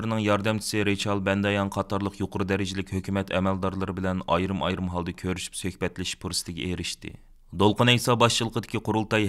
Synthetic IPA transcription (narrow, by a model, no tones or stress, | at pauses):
ɾnɨŋjɑɾd̪ɛmt͡ʃʰi̥sɪɾet͡ʃʰɑlˠbɛnd̪ɑjɑnqʰɑt̪ʰɑɾlˠəqjoqəɾud̪ɛɾɪd͡ʒɪlɪkʲhøkʲʰymɛt̪ʰɛmɛld̪ɑɾlˠɨɾɨbɪlɛnɑ̰jɾɨmɑjɾɨmɦɑlˠd̪ɨkʲʰøɾyʃy̥psøhbɛt̪lɪʃpʰuɾsɨ̥t̪ʰɪɡʲɛ̰eɾɪʃt̪ɪ̰ | d̪olˠqənɛjsɑbɑʃt͡ʃʰilˠəqʰəd̪ɪkʲiqʰʊɾulˠt̪ɑj